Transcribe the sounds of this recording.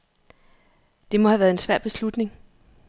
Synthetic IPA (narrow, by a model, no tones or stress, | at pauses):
d̥e̝mɒ̽hæʋæːɐe̝nsʋæɐ̰b̥e̝slud̥ne̝ŋ